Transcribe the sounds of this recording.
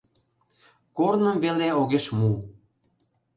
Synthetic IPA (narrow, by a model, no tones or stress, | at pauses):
kornə̆mveleoɣeʃmu